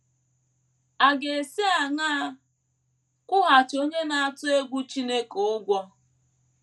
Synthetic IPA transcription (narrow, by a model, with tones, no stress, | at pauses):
a˨ɡe˨e˨se˦a˨ŋaː˦ | kʷʊ˦ɦa˨t͡ʃo˦ɲe˦na˨a˨tʊ˦e˦ɡʷu˦t͡ʃi˦ne˦ko˨ʊ˦ɡʷɔ˦